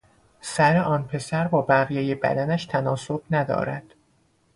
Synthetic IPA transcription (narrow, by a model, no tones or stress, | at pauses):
sæɾe̞ʔɒːnpʰe̞sæɾbɒːbæʁjeːjebæ̰d̪ænæʃt̪ʰænɒːsob̥næd̪ɒ̰ːɾæ̰d̪̥